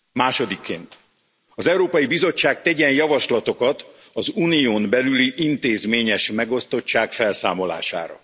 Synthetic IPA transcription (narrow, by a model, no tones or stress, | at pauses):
maːʃo̞d̪ikːḛːnt̪ | ɒzɛwɾoːpɒjibizo̞t͡ʃːaːk̚t̪ɛɟɛnjɒvɒʃlɒt̪o̞kɒt̪ | ɒzuːnijoːmbɛlyliʔint̪eːzmeːɲɛʃmɛɡo̞st̪o̞t͡ʃːaːkfɛlsaːmo̞la̰ːʃa̰ːɾɒ̰